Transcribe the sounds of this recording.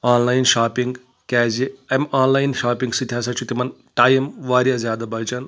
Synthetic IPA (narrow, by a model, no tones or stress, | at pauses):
aːnlaːjnʃaːpiŋɡ | kɛːziemaːnlaːjnʃaːpiŋɡsit̪ʰjaːsɐt͡ʃʰut̪imɐn | ʈaːjimʋaːɾjazjaːd̪abɐlt͡ʃɐn